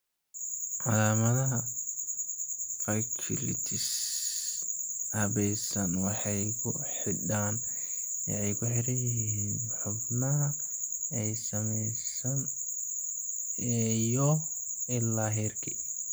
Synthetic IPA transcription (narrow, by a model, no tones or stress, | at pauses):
ʕɑlaːmɐðɐɦɐ | fɐkʰɪlɪ̰t̪ʰɪs | hɐβɛjsɐnwɑħɑjkʰʊ | ħɪɖaːn | wɑ̰ʕɛjkʰʊħɪɾɐjɪɦiːn | ħʊbnɐɦɐ | ɛjsɐmɛjsɐn | ɛjɔ | ɪlːaːɦɛrkʰi